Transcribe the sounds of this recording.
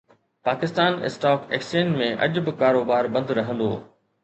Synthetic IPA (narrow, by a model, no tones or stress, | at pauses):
paːkɪst̪aːnɪ̰sʈaːkḛːkst͡ʃeːnmẽʔɐ̰ʄʊbɪkaːɾoːbaːɾbɐ̃nd̪ɾɐɦə̃nd̪o̰ː